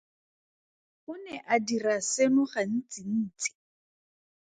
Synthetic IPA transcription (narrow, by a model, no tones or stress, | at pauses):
ʊnɛʔadirasenʊχan̩t͡sʼin̩ːt͡sʼi̥